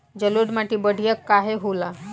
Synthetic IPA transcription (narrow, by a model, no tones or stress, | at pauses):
d͡ʑəloɖmaʈiːbəɽ̤ʱijəkːaɦeɦola